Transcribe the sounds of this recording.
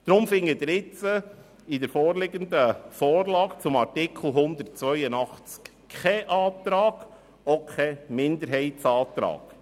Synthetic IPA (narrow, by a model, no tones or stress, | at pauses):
d̥̪ɾʊmfɪŋːədɾɪt͡sə | ɪd̪əɾfɔːɾlɪɡənd̪əfɔːrlɑːɡt͡sʊmɑɾtɪkʰl̩ɦʊnd̪əɾt̚t͡sʋœʏənɑχt͡sk | χɛʔɑːt̪ɾɑːɡ̥ | ɔkʰχɛmɪnd̪əɾɦɛɪtt͡sɑːt̪ɾɑ̰ːɡ̥